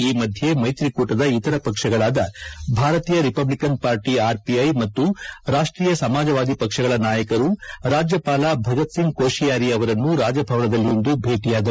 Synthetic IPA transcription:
iːmɐd̪ʱjemɐjt̪ɾikuːʈɐd̪ɐit̪ɐɾɐpɐkʂɐɡɐɭaːd̪ɐbʱaːɾɐt̪iːjɐɾipɐblikɐnpaːɾʈiaːɾpiɐjmɐt̪ːuɾaːʂʈɾiːjɐsɐmaːd͡ʒɐʋaːd̪ipɐkʂɐɡɐɭɐnaːjɐkɐɾuɾaːd͡ʒjɐpaːlaːbʱɐɡɐt̪siŋɡkoːʃijaːɾiɐʋɐɾɐnːuɾaːd͡ʒɐbʱɐʋɐɳɐd̪ɐlːiond̪ubʱe̞ːʈijaːd̪ɐ

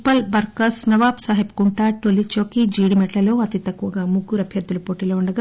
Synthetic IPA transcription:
pːɐlbɐɾkɐsnɐʋaːpsaːɦip̚ɡuɳʈaːʈolit͡ʃoːkid͡ʒiːɽimɛʈlɐlo̞ːɐt̪it̪ɐkːuʋɐɡaːmuɡuːɾɐbʱjɐɾd̪ulupoːʈiːloːuɳɖɐɡa

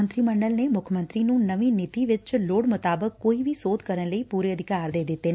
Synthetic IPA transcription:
ənt̪ɾiːmə̃ɳɖəlneːmʊkʰmə̃nt̪ɾiːnũːnəʋiːnɪt̪iːʋɪt͡ʃloːɽmʊt̪aːbəkːoːiːʋiːsoːd̪kəɾənləiːpuːɾeːəd̪ʱɪkaːɾd̪eːd̪ɪt̪ːeːn

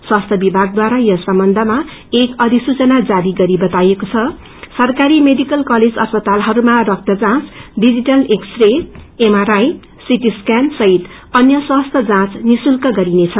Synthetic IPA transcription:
swast̪ʰʌbibʱaɡ̚d̪waɾajʌsʌmbʌnd̪ʱʌma | ekʌd̪ʱisut͡sʌnad͡zaɾiɡʌɾibʌt̪ajekot͡sʰʌ | sʌrkaɾimeɖikʌlkʌled͡zʌspʌt̪alɦʌɾumarʌk̚t̪ʌd͡zãt͡sɖid͡ziʈʌleksreemaɾaj | siʈiskansʌɦit̪ | ʌnjʌswast̪ʰʌd͡zãt͡snisulkʌɡʌɾinet͡sʰʌ

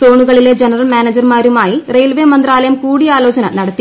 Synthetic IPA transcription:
so̞ːɳuɣɐɭile̞d͡ʑenɐrɐlmjaːned͡ʑɐrmaːɾumaːjirejlʋeːmɐnd̪raːlɐjɐmkuːɽijaːloːt͡ɕɐnɐnɐɽɐt̪ːi

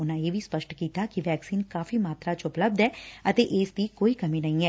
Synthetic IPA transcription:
ʊnãːeːʋʱiːspəʃʈkiːt̪aːkɪʋɛːksiːnkaːfiːmaːt̪ɾaːt͡ʃʊpləb̚d̪ɛːət̪eːʔeːsd̪iːkoːiːkəmiːnəĩːɛː

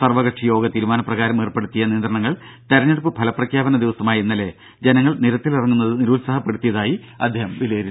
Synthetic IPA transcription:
sɐrʋɐɣɐʈʂɐjo̞ːɡɐt̪iːɾumaːnɐprɐɣaːɾɐmeːrpe̞ɽut̪ːijɐniːnd̪ɾɐɳɐŋːɐɭt̪ɐɾɐɲːeɽupːɨbʰʱɐlɐprɐkʰjaːbɐnɐd̪iʋɐsɐmaːjinːɐle̞ | d͡ʑenɐŋːɐɭniɾɐt̪ːilirɐŋːunːɐðɨniɾuːlsaːɦɐpːe̞ɽut̪ːijɐðaːji | ɐ̰d̪ʱjeːhɐmʋileːɾunː

